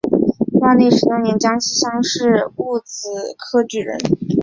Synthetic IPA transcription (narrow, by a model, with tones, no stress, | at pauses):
wɑ˥˧ne˥˩ɪʂɻ̩˧˥t̪ʊ˥ŋnjɛ˧˥nt͡ɕjɑ˥ŋɕi˥ɕjɑ˥ŋʂɻ̩˥˧u˥˩t͡s̩˨˩kʰɤ˥ʈ͡ʂy˥˩ɻə̰˧˥n